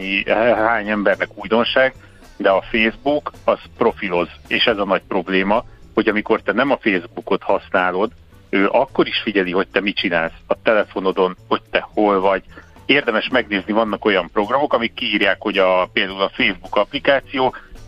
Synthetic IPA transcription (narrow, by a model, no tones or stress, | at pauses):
ihaːɲɛmbɛrnɛkuːjd̪o̞nʃaːɡ | d̪ɛɒfeːzbukɒz̥pro̞filo̞zeːʃɛzɒnɒc̚pro̞bleːmɒho̞ɟɒmiko̞rt̪ɛnɛmɒfeːzbuko̞t̪hɒsnaːlo̞d̪ | øːʔɒkːo̞ɾiʃfiɟɛliɦo̞c̚t̪ɛmit͡ʃinaːlsɒt̪ɛlɛfo̞no̞d̪o̞nho̞c̚t̪ɛho̞lvɒɟ | eːrd̪ɛmɛʃmɛɡneːznivɒn̪ːɒko̞jɒmpro̞ɡrɒmo̞kɒmikːiːrjaːkho̞ɟɒpeːld̪aːulɒfeːzbukɒplikaːt̪sijoː